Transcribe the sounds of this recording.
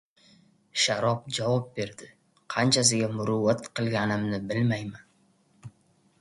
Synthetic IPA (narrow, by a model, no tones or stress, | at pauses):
ʃaɾɒp̚d͡ʒavɒp̚be̞ɾd̪ɪ | qʰɑnt͡ʃʰas̬ɪɡʲamʊɾʊwːat̪qʰɨlˠɡʲanɪmnɪbɪlmajman